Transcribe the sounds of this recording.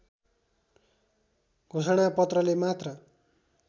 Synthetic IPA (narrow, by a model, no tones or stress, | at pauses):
ɡ̥ʱosʌɽ̃apʌt̪rʌlemat̪rʌ